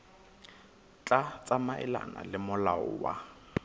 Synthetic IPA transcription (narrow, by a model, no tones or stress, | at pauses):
t͡ɬʼat͡sʼamaʔɪ̰la̰nalɪmʊlaʊwa